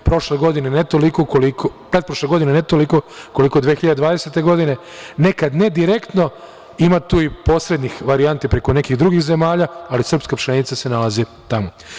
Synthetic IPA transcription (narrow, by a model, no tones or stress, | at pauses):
pɾo̞ʃleɡo̞d̪inenet̪olikokolikopɾed̪̚pɾoʃleɡo̞d̪inenet̪olikokolikod̪ʋexiʎad̪ed̪ʋaːd̪eset̪e̞ɡo̞d̪ine̞ | ne̞kad̪ne̞d̪iɾe̞kt̪no̞ | imat̪uːipo̞ːsɾe̞d̪nixʋaɾiant̪ipɾe̞ko̞ne̞kiɣd̪ɾuɡixze̞maːʎaalisrpskapʃt̪enit̪sase̞nalazi | t̪amo̞